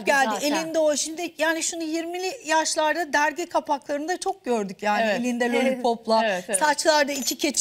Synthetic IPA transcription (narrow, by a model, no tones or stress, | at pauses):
ɟælʲɪe̞lʲind̪ɛoʃimd̪ɪjaːniʃunujiɾmilʲijaʃlˠaɾd̪ad̪æɾɟɛkʰapaklˠaɾɯnd̪at͡ʃʰo̞k̚ɟø̞ɾd̪ycjaːnielʲind̪ɛlʲolʲipʰo̞plˠasat͡ʃlˠaɾd̪aicʰicʰe̞t͡ʃʰ